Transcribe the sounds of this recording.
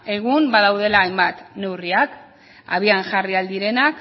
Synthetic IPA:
e̞ɣ̞umbaðawð̞e̞laːjmbat̪ne̞wriak | a̰βianʝariald̪iɾe̞nak

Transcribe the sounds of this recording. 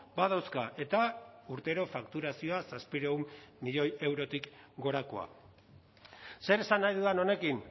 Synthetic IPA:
baðawskaʔe̞t̪auɾt̪e̞ɾo̞fakt̪uɾasio̞asaspiɾe̞umːiʎo̞je̞wɾo̞t̪ikɡo̞ɾako̞̰a̰ | se̞ɾe̞sanːajðuðano̞ne̞kin

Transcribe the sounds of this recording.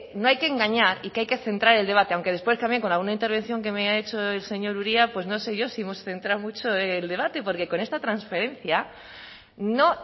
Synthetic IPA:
noajkeːŋɡaɲaɾikeajke̞θe̞nt̪ɾaɾe̞ld̪e̞β̞at̪eawŋke̞ð̞espwe̞st̪amjeŋko̞nalɣunaint̪e̞ɾβ̞ẽ̞n̟θjo̞ŋk̬e̞meae̞t͡ʃo̞e̞lse̞ɲo̞ɾuɾiapwe̞zno̞se̞ʝo̞siimo̞sθe̞nt̪ɾawmut͡ʃo̞eld̪e̞βat̪e̞po̞ɾke̞ko̞ne̞st̪at̪ɾansfe̞ɾẽ̞nθja | no̞

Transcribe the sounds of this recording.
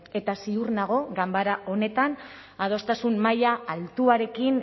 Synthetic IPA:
e̞t̪asiurnaɣ̞o̞ɡambaɾaʔo̞ne̞t̪an | að̞o̞st̪asummajaːlt̪uaɾe̞kin

